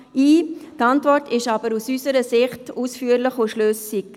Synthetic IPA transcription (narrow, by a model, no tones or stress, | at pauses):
iːtɑntvɔrtʰɪʃɑbəɾusysəɾəsɪχtuːsfyːəɾlɪχoʃløːsɪk